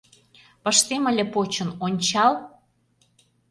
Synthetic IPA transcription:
pə̆ʃt̪emə̆lʲepot͡ɕə̆nonʲt͡ɕɑl

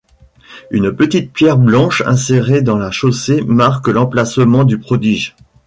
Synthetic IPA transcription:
ynpət̪it̪̚pjɛʁblɑ̃ʃɛ̰̃seʁed̪ɑ̃laʃosemaʁkəlɑ̃plasəmɑ̃d̪ypχɔd̪iʒ

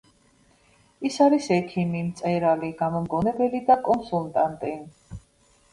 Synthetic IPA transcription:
isaɾisɛkʰimimt̪sʼɛɾaliɡamɔmɡɔnɛbɛlid̪akʼɔnsult̪ʼant̪ʼi

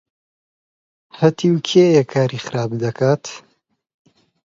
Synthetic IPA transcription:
hɐt̪ʰiwkʰejɛkʰːaːɾiːxɨɾaːbd̪ɐkʰaːt̪

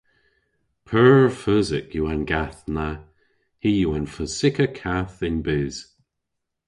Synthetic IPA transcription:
pʰɜfœzɪkjuanɡ̥aθna | hijuanfəsɪkəkʰaθɪnbɪz̥

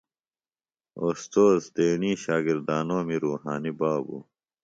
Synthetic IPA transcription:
ost̪oːzt̪eːɳĩːɕaːɡiɾd̪aːnoːmiɾuːɦaːnibaːbṵ

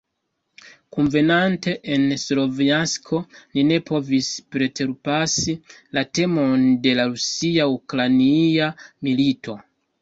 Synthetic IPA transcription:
kunve̞nante̞ʔenslo̞viaskʰo̞line̞pʰo̞vispɾe̞tʰe̞ɾpasilate̞mo̞nde̞laɾusiaukɾaniamilitʰo̞

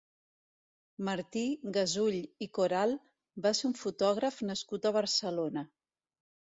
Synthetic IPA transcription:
məɾt̪iɣəzuʎikoɾalˠ | baseuɱfut̪ɔɣ̞ɾəfnəskut̪əβ̞əɾsəlonə

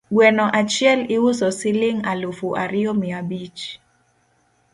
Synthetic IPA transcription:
ɡwɛnɔʔat͡ʃjɛlɪwʊsɔsɪlɪŋalofuʔaɾɪɔmɪabit͡ʃ

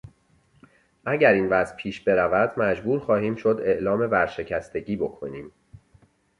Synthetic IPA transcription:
ʔæɟæɾiːnvæzpʰiːʃbe̞ɾævæd̪̥mæd͡ʒbuːɾxɒːhiːmʃod̪e̞ʔlɒːme̞bæɾʃe̞cʰæst̪e̞ɟiːbo̞kʰo̞niːm

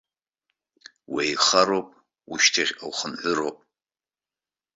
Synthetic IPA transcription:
wejiχaɾowpʼ | uʃtʰaχʲawχəmħʷʊɾowpʼ

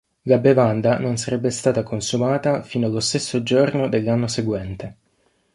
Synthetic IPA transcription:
ɡabevand̪anons̬aɾɛbːest̪aːt̪akonsumaːt̪afiːnoalːost̪esːod͡ʒornod̪elːanːoseɡwɛnt̪e

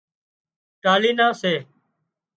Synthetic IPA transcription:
ʈaːliːnãːseː

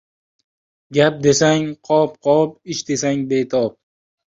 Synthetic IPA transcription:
ɡʲap̚d̪e̞saŋqʰɒpqʰɒpɪʃd̪e̞saŋbet̪ʰɒp̚

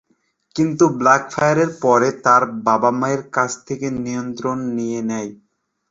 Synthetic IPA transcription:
kint̪ublakfʰajaɾeɾpɔɾet̪aɾbabamaeɾkat͡ɕʰt̪ʰekenijont̪ɾonːijenɛj

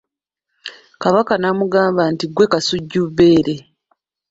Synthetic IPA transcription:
kaβakanamuɡaːmbantiɡwe̞kasuɟːuβːe̞ːɾe̞

